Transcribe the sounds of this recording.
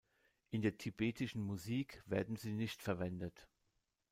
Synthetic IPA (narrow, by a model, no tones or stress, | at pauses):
ʔɪndeːɐtʰibeːtʰɪʃn̩muziːkv̥eːɐdn̩ziːnɪçtfɛɐvɛndət